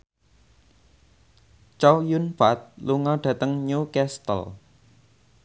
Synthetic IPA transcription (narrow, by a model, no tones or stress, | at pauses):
t͡ʃɔwjunfat̪̚luŋɔɖ̥ä̤t̪əŋɲukɛst̪ə̰l